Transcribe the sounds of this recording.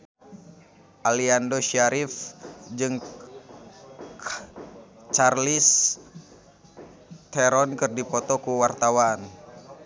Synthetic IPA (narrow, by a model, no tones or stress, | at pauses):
ʔaliandoʃaɾifd͡ʒɨŋ | t͡ʃarlis | t̪ɛɾɔnkɨrdipɔt̪ɔkuwart̪awan